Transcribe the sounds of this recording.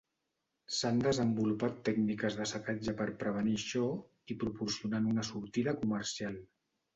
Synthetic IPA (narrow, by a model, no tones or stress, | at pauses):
sand̪əzəmbulupat̪ːɛɡnikəzðəsəkad͡ʒəpəɾpɾəβ̞əniʃɔ | ipɾupuɾsiunanunəsuɾt̪iðəkuməɾsialˠ